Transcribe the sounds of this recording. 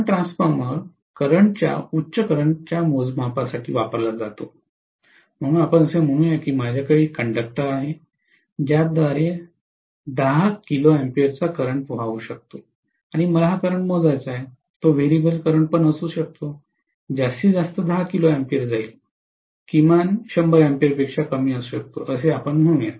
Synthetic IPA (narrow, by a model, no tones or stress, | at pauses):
aʈɾãnsfəɾməɾ | kəɾəɳt͡ɕja̰utːɕəkəɾəɳt͡ɕjamod͡zmapasaʈʰḭːʋapəɾlad͡zat̪o | m̤əɽ̃ũːnapəɳəsem̤əɽ̃uːnjekiːmad͡ʑʱjakaɭiːkəɳɖək̚ʈəɾaɦe | d͡ʑjad̪ʋaɾe | d̪əɦakiloempiəɾt͡sakəɾəɳpəʋ̤aʋuːɕək̚t̪o | aɽ̃iməlaɦakəɾəɳmod͡zajt͡saɦe | t̪oʋeɾibəlkəɾəɳpəɳəsuːɕək̚t̪o | d͡ʑasiːd͡zast̪əd̪əɦakiloɛmpiəɾd͡zail | kimanɕəmbəɾɛmpijəɾpekʂakəmiːəsuːɕək̚t̪o̰ʔəseapəɳm̤əɽũja